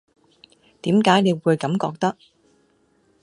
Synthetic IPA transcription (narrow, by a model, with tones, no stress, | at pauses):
t̪iː˨˥mkaː˨˥jne˨˧jwuː˨˧jkɐ˨˧˥mkɔː˧k̚t̪ɐ˥k̚